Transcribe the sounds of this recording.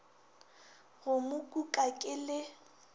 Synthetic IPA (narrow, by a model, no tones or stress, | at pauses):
ɣʊmʊkʼukʼakʼɪlɪ